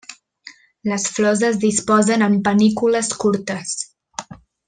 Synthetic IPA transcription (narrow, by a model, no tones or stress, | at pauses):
ləsflɔzəzðispɔzənəmpənikuləskuɾt̪əs